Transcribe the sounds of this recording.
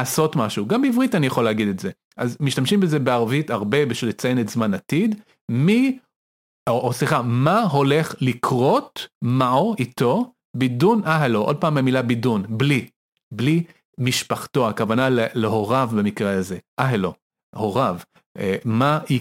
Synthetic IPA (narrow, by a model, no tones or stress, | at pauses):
so̞tmaʃuɡambeivʁitanijaχo̞leaɡid̪etze | ʔazmiʃtamʃimbezebeaʁvitaʁbe̞biʃilet͡sajenetzmanatid | mi | oosliχamaɦo̞le̞χlikʁo̞tmaoito̞ | bidunʔaɦaloʔod̚paːmamilabidunbli | bli | miʃpaχto̞akavanaleleɦo̞ʁavbemikʁeaze̞ʔaɦelo̞ | ho̞ʁav | emai